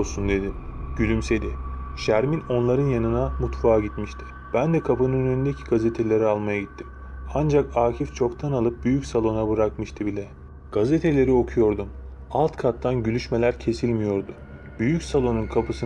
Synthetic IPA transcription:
sund̪e̞d̪iɟ̥ylʲymse̞d̪iʃæɾmino̞nlˠaɾɯnjanɯnamut̪faːɟit̪miʃt̪ʰɪ̥ | b̥ænd̪ɛkʰapɯnɯnnynd̪ecʰi̥ɡazet̪ʰe̞lʲeɾialˠmajaɟit̪ʰːim | and͡ʒakaːcʰift͡ʃʰo̞kt̪ʰanalˠɯp̚byjycsalˠo̞nabɯɾakmɯʃt̪ʰɯbilʲɛ | ɡ̥azet̪ʰe̞lʲe̞ɾio̞kʰujo̞ɾd̪um | alˠt̪kʰat̪ːanɟylʲyʃme̞lʲæɾcʰe̞silʲmijo̞ɾd̪ʊ | byjycsalˠo̞nunkʰapʰɯsɯ

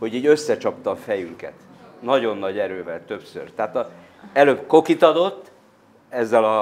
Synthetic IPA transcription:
ho̞ɟiːɟø̞sːɛt͡ʃɒpt̪ɒːfɛjyŋkɛ̰t̪ | nɒɟo̞nːɒɟɛɾøːvɛlt̪ø̞psø̰rt̪ɛaːt̪ɒ | ɛløːbko̞kit̪ɒd̪o̞t̪ː | ɛzːɛlɒ

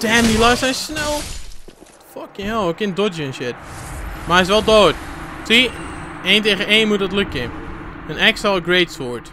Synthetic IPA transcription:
d̥ɛmilasɛjsnɛlˠ | fɔkɪ̃ŋoːkɪndod͡ʒənʃɪt̚maɪs̬ʋɛlˠdoːttʰieːnteːɣəneːnmutətlʉkːɪn | ənɛksalˠəɡɹeːtsoɹt

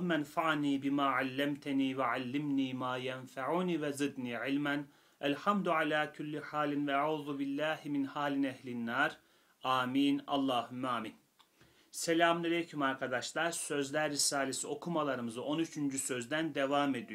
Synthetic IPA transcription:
mænfaʕniːbimaːʕalʲːæmt̪ʰniːvɛʕalːimniːmaːjænfaʕuːniːvɛzid̪niːʕilʲmæn | ælʲħamd̪ʕalʲaːkʰulʲːiħaːlʲinvɛaʕuːðubilːæːhiminhaːlʲinɛhlʲinːaɾ | aːmiːnɑ̰lˠːaːhumːaːmin | selʲaːmˠelʲejcʰymaɾkʰad̪aʃlˠaɾsø̞zlʲæɾːisaːlʲesio̞kʰumalˠaɾɯmɯzɯʔo̞nyt͡ʃʰynd͡ʒysø̞zd̪ænd̪evaːme̞d̪ijo

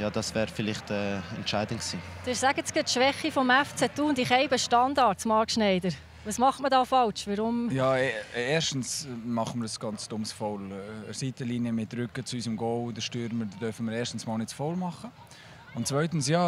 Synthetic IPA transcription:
jɑːd̥ɑsvɛːɾfɪlɪχtɛːɛntt͡ʃaɪdənksiːd̥ɪːsæɡət͡skətʃʋɛχːifɔmɛft͡sɛtuːndiχɛɪbəʃtɑndɑtsmɑɾkʃnɛɪdəɾ | ʋɑsmɑχtmədɑːfɑlt͡ʃʋɑɾʊmjɑːeeːʃtn̩smɑχənməɾdəsɡ̥ɑnt͡sd̥ʊmsfɔlsiːtəliːniəmɪt̚ːɾʏkət͡suysəmɡɔldəʃtyːɾməd̥œɾfənməɾeːʃtn̩smɑːlnɪtt͡sfɔlmɑχə | ʊntt͡svœʏtn̩sjɑː

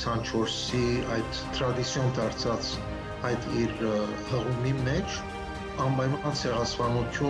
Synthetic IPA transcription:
sʰɑnt͡ʃʰɔɾsiɑjd̪̥ʰ | ɾɑd̪it͡sʰjɔnd̪ɑɾt͡sʰɑt͡s | ɑjd̪iɾ | həʁumimɛt͡ʃʰ | ɑmpɑjmɑnt͡sʰɛʁɑspɑnut̪ʰju

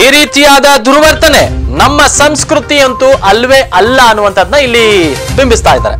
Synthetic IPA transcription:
iːɾiːt̪ijaːd̪ɐd̪ʱuɾʋɐɾt̪ɐnenɐmːɐsɐmskɾut̪ijɐnt̪uʔɐlʋeʔɐlːɐɐnːuʋɐnt̪ʰɐd̪nɐilːibimbist̪aːjd̪a̰ːɾe

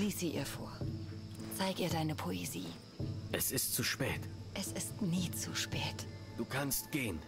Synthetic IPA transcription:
liːsiːʔiːɐfoːɐ | t͡saɪɡiːɐdaɪnəpʰoeziː | ʔɛsɪstt͡suʃpɛːtʔɛsɪstniːt͡suʃpɛːtd̥uːkʰanstɡ̥eːən

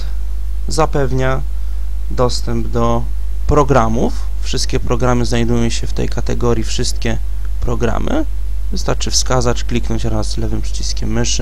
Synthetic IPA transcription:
zapɛvɲa | d̪ɔst̪ɛmbd̪ɔ | pɾɔɡɾamufːʂɘst̪̚kʲɛpɾɔɡɾamɘznajd̪ujɔ̃w̃ɕɛft̪ɛ̰jkat̪ɛɡɔɾʲjifʂɘst̪̚kʲɛ | pɾɔɡɾa̰mʔɘ̰ | vɘst̪aɾt͡ʂɘfskazat͡ɕklʲiknɔɲt͡ɕɾazlɛvɘmpʂɘ̥t͡ɕiskʲɛmːɘʂɘ

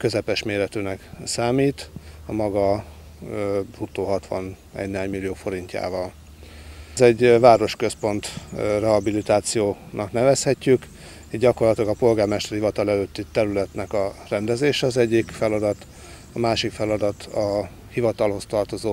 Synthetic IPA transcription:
køzɛpɛʃmeːɾɛt̪øːnɛksaːmiːt̪ɒmɒɡɒ | rut̪ːoːɦɒt̪ʋɒ̰n | ɛ̰ɟneɦaɲmilːijoːfo̞ɾiɲcːa̰ːvɒl | zɛɟvaːɾo̞ʃkø̞spo̞nt̪rɛɦɒbilit̪aːt̪sijoːnɒknɛvɛshɛcːyk | eɟɒko̞rlɒt̪ilɒɡɒpo̞lɡaːrmɛʃt̪ɛrhivɒt̪ɒlɛløːt̪ːit̪ɛɾylɛt̪nɛkɒrɛnd̪ɛzeːʃɛɒzɛɟːikfɛlɒd̪ɒt̪ | ɒmaːʃikfɛlɒd̪ɒt̪ɒ | hivɒt̪ɒlho̞st̪ɒrt̪o̞zoː

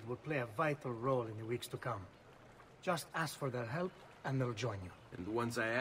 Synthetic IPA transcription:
d̚wɪd̚pʰleɪəvaɪtʰl̩ˠɹoʊlɪ̃nðəwikstukʰʌ̃m | d͡ʒʌstæsfɔɹðəɹɦɛlˠp | ɛ̃nðeɪlˠd͡ʒɔ̃ɪ̃njuɨ̃nwʌ̃nsaɪ

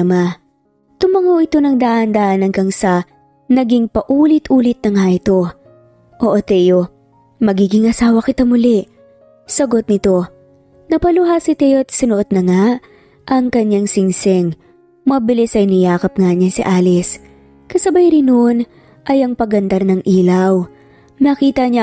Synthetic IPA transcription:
ma | t̪ʊmɐŋowʔɪt̪o̞nɐŋd̪aʔɐnd̪aːʔɐnɐŋkɐŋsɐ | nɐɡiŋpɐʔuːlɪt̪ʔuːlɪt̪̚nɐŋaʔɪt̪o̞ | ʔoʔot̪ɛjo | mɐɡiːɡɪŋʔɐsaːwɐkɪt̪amʊlɛʔ | sɐɡo̞t̪̚nɪt̪o̞ | nɐpɐlʊɦasɪt̪ɛjoɐt̪sɪnoʔot̪̚nɐŋa | ʔɐŋkɐɲːaŋsɪŋsɛŋ | mɐbɪlɪsɐɪnɪjaːkɐp̚ŋaɲɐnsɪ̰ʔaːlɪs | kɐsɐbɐjɾɪnoʔn | ʔɐjɐŋpɐɡɐnd̪ɐɾnɐŋʔiːlɐw | nɐkiːt̪ɐɲa

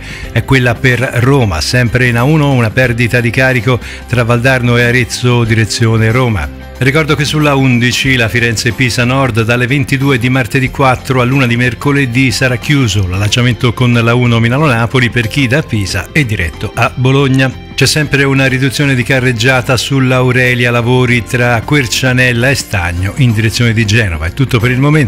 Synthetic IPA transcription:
ɛkːwelːaperrːoːma̰sɛmpɾeinauːnounapɛrd̪it̪ad̪ikaːɾiko | t̪ɾavald̪arnoeaɾet̪sːod̪iɾet̪sːjoːneɾoːma̰ | rikɔrd̪okesːulːaund̪it͡ʃilafiɾɛnsepiːzanɔrd̪d̪alːevent̪id̪uːed̪imart̪ed̪ikːwat̪ːɾoalːuːnad̪imerkoled̪isaɾak̟ːjuːzolalːat͡ʃːament̪okonlauːnominalonaːpoliperk̟id̪apːiːza̰ɛd̪ːiɾʔɛ̰t̪ːoʔabːoloɲːa | t͡ʃɛsːɛmpɾeunaɾid̪ut̪sːjoːned̪ikarːed͡ʒːaːt̪asulːawɾɛːljalavoːɾit̪ɾakːwert͡ʃanɛlːaest̪a̰ɲːoʔind̪iɾet̪sːjoːned̪id͡ʒɛːnovaɛt̪ːut̪ːopeɾilmomen

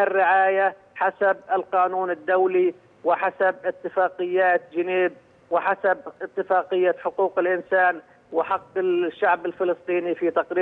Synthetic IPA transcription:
ʔɪrːɪʕaːja | ħasabɪlqɑːnuːnɪd̪ːawli | wɪħasabɪt̪ːɪfɑːqɨjːaːt̪d͡ʒɪniːb̚ | wɪħasabʔɪt̪ːɪfɑːqɪjːaħʊquːqɪlʔɪnsaːn | wɪħɑqːɪʃːaʕbɪlfɪlɨsˤt̪ˤiːnifit̪ɑqɾiː

